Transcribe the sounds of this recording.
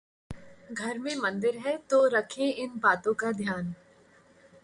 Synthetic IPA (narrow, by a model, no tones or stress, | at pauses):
ɡʱɐɾmẽmɐ̃nd̪ɪɾɦɛt̪oɾɐkʰẽɪnbaːt̪õkad̪ʱjaːn